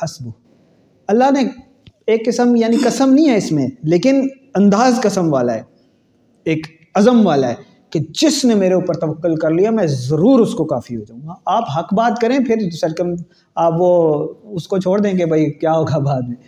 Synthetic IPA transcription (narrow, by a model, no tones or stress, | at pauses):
hɐsbʊ | ɐlːaɦne | eːkːɪsəmjaːnikɐsəmnɐɦĩɦɛɪsmẽleːkɪn | ɐ̃nd̪aːzkɐsəmʋaːlaɦɛː | eːk | ɐzəmʋaːlaɦɛː | ked͡ʒɪsnemeːɾeuːpəɾt̪ɐʋəqːʊlkɐɾlijamɛ̃zɐɾuːɾʊskokaːfiɦod͡ʒaːũːŋɡaaːpɦɐkbaːt̪̚kɐɾẽːpʰɪɾsɐɾkəm | aːpʋoʊskot͡ʃʰoːɽd̪ẽːk̬ebʱɐikjaːɦoːɡabaːd̪mẽ